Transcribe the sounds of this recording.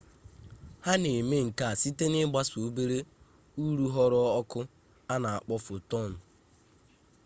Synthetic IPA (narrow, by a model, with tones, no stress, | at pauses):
ha˦ne˨me˦ŋ̩˨ka˨a˨si˦te˦nɪ˦ɡ͡ba˦su˨˦be˦ɾe˦ | u˦ɾu˦ɦɔ˦ɾɔ˦ɔ˦kʊ˦ | a˦na˨a˨k͡pɔ˦fʊ˨tɔ˦˨n̩˨